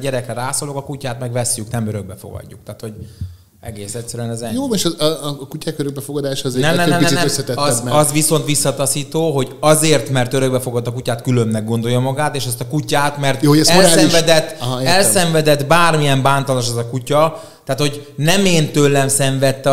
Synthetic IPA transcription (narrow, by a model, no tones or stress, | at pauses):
ɟɛɾɛkrɛɾaːsoːlokɒkucaːt̪mɛɡʋɛsjyknɛmøɾøɡ̚bɛfoɡɒ̰ɟːuk̚t̪aːt̪ho̞ɟ | ɛ̰ɡeːsɛctsːɛɾyɛnɛzɛjoːmɛʃkucaːkøɾøɡ̚bɛfoɡɒd̪aːʃːzenɛnɛnɛiɛnɛøsːɛt̪ɛzɒzʋiso̞nt̪ʋisːɒt̪ɒsiːt̪oːɦo̞ɟɒzeːrt̪mɛrt̪øɾø̞ɡbɛfoɡot̪ːɒkucaːt̪kylømnɛɡo̞nd̪o̞jːomɒɡaːt̪eːʃɛst̪ɒkucaːt̪mɛrt̪ːɛɛoɾaslɛimʃvd̪ɛt̪ːɛlsɛɱvɛd̪ɛt̪ːbaːrmijɛmbaːnt̪ɒloʃ̬ɛzɒkucɒ | t̪aːt̪ho̞ɟnɛmeːnt̪øːlːɛmsɛɱvɛt̪ːɛ